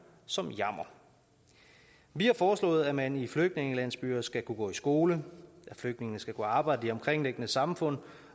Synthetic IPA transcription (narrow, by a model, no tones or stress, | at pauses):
sɒ̽mjɑm̰ɐ | ʋihɑ̈fɒːslɔ̰̽ːð̞̩ˠæmænifløɡ̥̚dne̝ŋəlæn̰sb̥y̰ːɐsɡ̥ækʰuɡ̥ɔ̰̽ːisɡ̥o̝ːləʔæfløɡ̥̚dne̝ŋənəsɡ̥ækʰuɑ̈ːb̥ɑ̈ɪ̰d̥əiɒ̽mkʰʁeŋ̰leɡ̥ənəsɑ̈mfɔ̽n̰